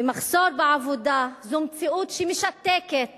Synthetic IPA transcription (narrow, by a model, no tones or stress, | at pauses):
maχsoɾbeʕavod̪azomt͡siʔut̪ʃimeʃat̪ːeket̪̚